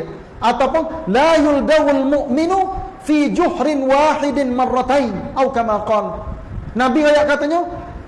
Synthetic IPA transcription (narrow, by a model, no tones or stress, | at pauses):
ʔat̪awpʊnlajʊld̪awalmʊʔmɪnufid͡ʒʊhɾɪnwaːħɪdɪnmɑrːɑt̪ajnʔawkamaqɔːl | nabiajaʔkat̪aɲa